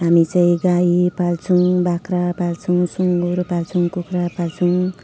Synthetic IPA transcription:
ɦamit͡saĩɡajpalt͡sʰuwbakɾapalt͡sʰuw̃suŋɡoɾopalt͡sʰuŋkukrapalt͡sʰuw̃

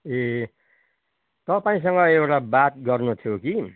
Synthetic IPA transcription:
e | t̪ʌpaĩs̬ʌŋɡʌewʈabat̪̚ɡʌrnut̪ʰjoki

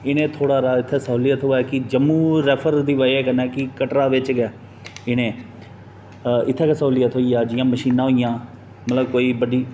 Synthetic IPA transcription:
ɪnẽːt̪ʰoːɽaːɾaːɪt̪ʰːeːsaoːliːaːt̪ʰoːaɛːkɪd͡ʒəmːũːɾɛːpʰəɾd̪iːʋəeːkənɛːkɪkəʈɾaːʋɪt͡ʃɡɛː | ɪñẽː | ɪt̪ʰːeːkːsaɦlijaːt̪ʰoːiːaːd͡ʒɪjãːməʃiːnãːɦoːijãː | mət̪ləbkoːiːbəɖiː

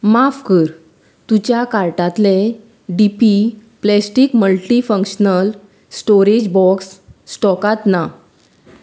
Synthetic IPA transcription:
mafkəɾ | t̪ut͡ɕjakaɾʈãt̪le | ɖipiplɛsʈikməlʈifə̃ŋkɕnəl | sʈoɾed͡ʑbɔksːʈɔkat̪na

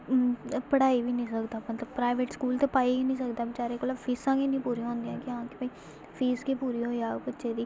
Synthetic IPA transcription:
pəɽaːiːʋiːnĩːsəkd̪aːmət̪ləbpɾaːɪʋeːʈskuːlt̪eːpaːiiːnĩːs̬əkd̪aːbit͡ʃaːɾeːkoːlaːpʰiːsãːkeːnĩːpuːɾĩːõːnd̪ijãːkɪɦãːkɪbəi | pʰiːskeːpuːɾiːɦoːaːbətːʃeːd̪iː

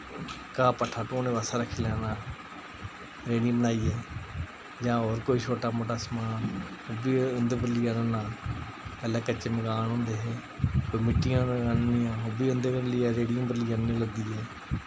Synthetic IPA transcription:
kaːpəʈʰːaːʈõːnẽːʋaːsaːɾəkʰiːlɛːnaː | ɾeːɽĩːbənaːiːɦeː | d͡ʒãːoːɾkoːiːt͡ʃʰoːʈaːmoːʈaːsmaːn | hʊbiənd̪əbəɾliːanãːnaːl | pəlaːkət͡ʃəmɪɡaːnɦʊ̃ːnd̪eːɦeː | koimɪʈːɪjãːɾənnɪjãːɦʊbiːənd̪ɡəɾliːaːɾeːɽɪjõːbəɾlɪːãnnĩːləɡd̪iːeː

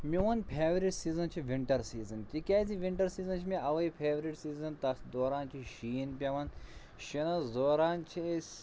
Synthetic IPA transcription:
mʲiʋɐnpʰeːʋɾiʈsiːzɐnt͡ʃʰiʋiɳʈɐɾsiːzɐnt̪ʲikʲaːziʋiɳʈɐɾsiːzɐnt͡ʃʰimiɐʋɐipʰeːʋɾiʈsiːzɐnt̪ɐsd̪oːɾaːnt͡ʃʰiʃiːnpʲɐʋɐn | ʃinɐzoːɾaːnt͡ʃʰis

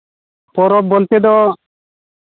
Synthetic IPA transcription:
pɔɾɔp̚bolt̪ed̪ɔ

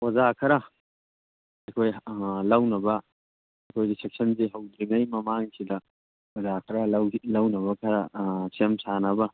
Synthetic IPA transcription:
wɐzakʰɐɾɐ | ɐkʰojlɐwnɐbɐ | ɐkʰojɡisek̚sɐnseɦɐwd̪ɾinɐjmɐmaŋsidɐ | wɐzakʰɐɾɐlɐwnɐβɐkʰɐɾɐsemsanɐbɐ

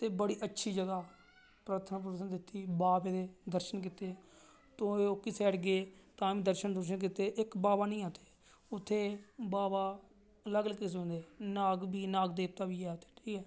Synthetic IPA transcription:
t̪eːbəɽiːʔətːʃʰiːd͡ʒəɡaː | pɾaːt̪ʰnaːpəd̪sənd̪ɪt̪ːiːbaːpeːd̪eːd̪əɾʃənkɪt̪eː | t̪õːeːoːkɪseːʈɡeːt̪ãːʋĩːd̪əɾʃənd̪əɾʃ̬ənk̬ɪt̪eːʔɪkbaːbaːnəĩːaːt̪e̥ː | ʊt̪ʰːeːbaːbaː | ələɡləkɪseõnd̪eːnaːɡbiːnaːɡd̪eːp̚t̪aːbiːɛːt̪ʰe̥ːʈʰiːkɛː

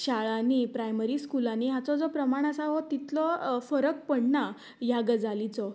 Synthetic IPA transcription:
ɕaɭanipɾajməɾiːskulaniɦat͡sɔd͡zɔpɾəmaɳ̃asaɦɔt̪it̪lɔfəɾək̚pəɳna | jaɡəd͡zalit͡sɔ

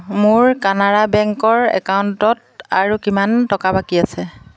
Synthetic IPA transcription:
mʊɹkanadabɛŋkɔɹɛ̰kawntɔt̚ | aɹukimantɔkabakiasɛ

